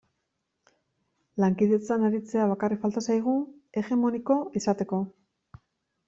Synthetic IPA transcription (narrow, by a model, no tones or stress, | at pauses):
laŋkiðe̞t͡sanaɾit͡se̞aβakarikfalt̪asajɣ̞ue̞ɣe̞mo̞niko̞ʔisat̪e̞ko̞